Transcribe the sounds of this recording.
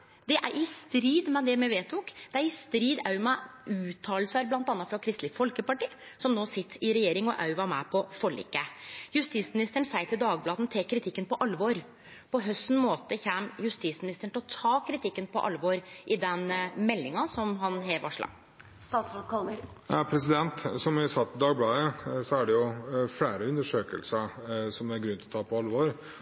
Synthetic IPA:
d̪ɛʔæɾʔɪst̪ɾiːd̪mɛd̪ɛmɛʋeːt̪ʰʊkd̪̥ɛæɾɪst̪ɾiːd̪ɑʉmɛʉːt̪ʰɑːlsɑɾblɑnt̪ɑnːɑt̪fɾɑkʰɾɪst̪lɪfɔlkəpɑʈiː | sɔmnoːsɪt̪ːɪɾɛjeːɾɪŋɔʔɑʉʋɑmɛpʰɔfɔɭḭːkːəjʉst̪ismɪnɪst̪əɳsæɪt̪ʰɪld̪ɑːɡblɑːd̪nt̪ʰeːkʰːɾɪt̪ʰɪkːənpɔʔɑlːʋɔɾ | pɔɦœst̪n̩moːt̪əçæmjʉst̪iːsmɪnɪst̪əɳ̩ʈ̪ɪlɔt̪ʰɑːkʰɾɪt̪ʰɪkːənpʰɔ̰ʔɑ̰lʋoɾʔɪd̪ɛnmɛlːɪŋɑsɔmɦɑnɦeːʋɑ̰ʂɭɑ̰ | st̪ɑːsɾokl | pʰɾɛsɪd̪ɛnt̪sɔmɪsɑt̪ːd̪ɑːɡblɑːəsɔæɖɛjʊfɽæːɾəʉnd̪əʂøːkə̰lsəsɔmæɾɡɾʉnt̪ʰlɔt̪ʰɑːpʰɔɑlʋɔɾ

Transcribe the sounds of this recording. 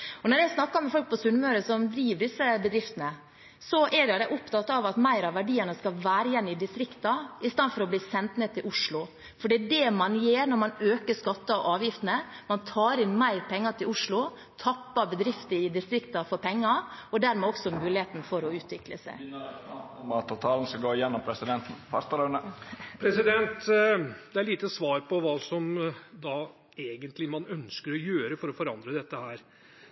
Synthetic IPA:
ɔnɔɾjæɪsnɑkːɑmɛfɔlk̚pʰɔsʉnmœɾəsɔmd̪ɾiːʋəɖɪsːəbəd̪ɾɪft̪ənə | sɔʔɛjæɪd̪æɪʔʊpt̪ɑt̪ːɑʋɑt̪mæɪɾɑʋæɖiːənəskɑlʋæːɾəjɛnːɪd̪ɪst̪ɾɪkt̪ɑɪst̪ɑnfɔɾɔbliːsɛnt̪neːt̪ʰɪlʔʊʂlʊ | fɔɖɛd̪ɛmɑnjeːɾnɔɾmɑnøːkəʂkɑt̪ːɑɔʔɑːʋjɪft̪ənəmɑnt̪ʰɑːɾɪnmæɪɾpʰɛŋːɑt̪ʰɪlʊʂlʊ | t̪ʰɑpːɑbəd̪ɾɪft̪əɪd̪ɪst̪ɾɪkt̪ɑfɔɾpʰɛŋːɑɔd̪æɾmɛːɔksɔmʉːlɪeːt̪n̩fɔɾɔʉːt̪ʰʋɪkləsæ̰ɪ | ɑt̪ʰːʊt̪ʰɑːln̩sɑɡoːjɛnːɔmpʰɾɛsɪd̪ɛnt̪n̩fœɾst̪əlœnəpʰɾɛsɪd̪ɛnt̪d̪ɛæɭiːt̪əsʋɑːɾpʰɔʋɑːsɔmd̪ɑ | eːɡənt̪lɪmɑnœnskəɾɔjøːɾəfɔɾɔfɔɾɑnd̪ɾəd̪ɛt̪ːəhæːɾ

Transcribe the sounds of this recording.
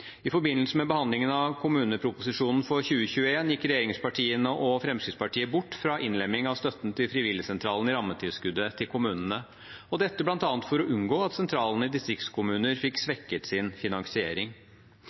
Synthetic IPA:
ɪfɔɾbɪnəl̩səmɛbəhɑnd̪lɪŋənɑʋkʰʊmʉːnəpʰɾʊpʊsɪʂuːnn̩fɔçʉːəçʉːəeːnjɪkːɾɛjeːɾɪŋspɑʈʰiːənəʔɔfɾɛmskɾɪt̪spɑʈʰiːəbʊʈːfɾɑʔɪnlɛmːɪŋɑʋst̪œt̪ːn̩t̪ʰɪlfɾɪʋɪljəsɛnt̪ʰɾɑːlən̩ɪɾɑmːət̪ʰɪlskʉd̪ət̪ʰɪlkʰʊmʉːnən̩ə | ɔd̪ɛt̪ːəblɑnt̪ɑːnt̪fɔɾɔʔʉŋɡoːɑt̪sɛnt̪ʰɾɑːlənəɪd̪ɪst̪ɾɪk̚t̪skʰʊmʉːnəɾfɪksʋɛkːət̪sɪnfɪnɑŋsɪeːɾɪŋ

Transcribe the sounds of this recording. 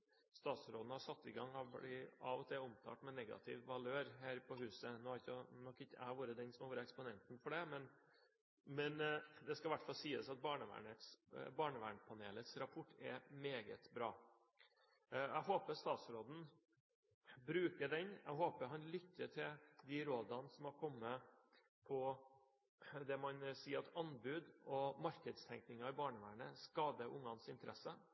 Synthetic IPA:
st̪ɑːt̪sɾoːd̪n̩hɑʂɑt̪ːɪɡɑŋhɑblɪɑʋɔt̪ʰɪːɔmt̪ʰɑ̰ːʈmɛnɛɡɑ̰t̪ʰɪ̰ʋʋɑløːɾhæːɾpʰɔhʉːsənoːhɑɾɪçənɔkːɪtːəæ̰hɑɾʋuːɾəd̪ɛnsɔmɑʋoːɾəɛkspɔnɛnt̪nfɔɖɛmɛn | mɛnd̪ɛskɑɪʋæʈfɑlsiːəsɑt̪̚bɑːɳəʋæ̰ːɳət̪sbɑːɳəʋæ̰ːɳpʰɑnḛːlət̪sɾɑpʰʊʈːɛ̰meːɡə̰t̪bɾɑ̰ː | æɦoːpəst̪ɑːt̪sɾoːd̪n̩ | bɾʉːkəɖɛnæ̰ɡɦoːpəɾɦɑnlʏtːəʈʰɪld̪ɪɾoːd̪ɑnsɔmhɑɾkʰɔmːə | pʰɔ | d̪ɛmɑnsiːɾɑt̪ʰɑnbʉːd̪ɔmɑɾkəd̪st̪ʰɛŋknɪŋɑɪbɑːɳəʋæːɳəskɑːd̪əʔʊŋːɑnsɪnt̪əɾɛsə

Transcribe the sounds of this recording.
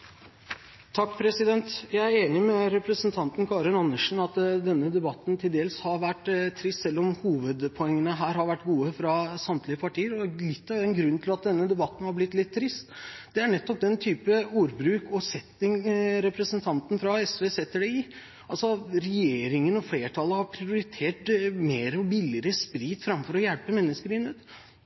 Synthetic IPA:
t̪ʰɑkːpʰɾɛsɪd̪ɛnt̪jæɪæɾeːnɪmɛɾɛpɾəsənt̪ʰɑnt̪n̩kʰɑːɾɪnɑnːəʂn̩ɑt̪d̪ɛnːəd̪ɛbɑt̪ːn̩t̪ʰɪld̪eːlshɑɾʋæʈːt̪ʰːɾɪst̪sɛlːɔmhuːʋəd̪pʰɔɛŋːənəɦæːɾhɑɾʋæʈːɡuːəfɾɑsɑmt̪lɪəpʰɑʈʰiːəɾɔlɪt̪ːɑʋɛnɡɾʉnːt̪ʰɪlɑt̪̚d̪ɛnːəd̪ɛbɑt̪ːən̩hɑɾblɪt̪ːlɪt̪ʰːɾɪst̪d̪ɛæɳɛt̪ːɔp̚d̪ɛnt̪ʰyːpəuːɾbɾʉːkɔsɛt̪ːɪŋɾɛpɾəsənt̪ʰɑnt̪n̩fɾɑɛsʋeːsɛt̪ːəɖɛɪ | ɑlsɔɾɛjeːɾɪŋənɔfleːʈʰɑləhɑɾpʰɾɪʊɾɪt̪ʰeːʈmeːɾɔbɪlːɪɾəspɾiːt̪fɾɑmfɔɾɔjɛlpəmɛnːəskəɾɪnːət̪

